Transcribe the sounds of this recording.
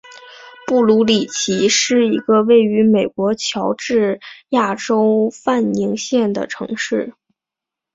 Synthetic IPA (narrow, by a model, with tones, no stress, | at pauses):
pu˥˩lu˧˥li˨˩t͡ɕʰi˧˥ʂɻ̩˥˩i˧˥ɡə˧we˥˩ɪy˧˥me˨˩ɪkwɔ˧˥t͡ɕʰjɑ˧˥ʊʈ͡ʂɻ̩˥˧ja˥˩ʈ͡ʂo˥ʊfa˥˩ni˧˥ŋɕjɛ˥˩nd̪ə̰˩ʈ͡ʂʰɤ̰˧˥ŋʂɻ̩˥˩